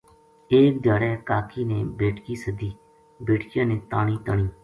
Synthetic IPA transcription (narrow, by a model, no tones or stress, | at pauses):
eːk̚d̪aːɽɛːkaːkʰiːneːbeːʈkiːsəd̪iː | beːʈʰkɪjãːneːt̪aːɳ̃iːt̪əɳiː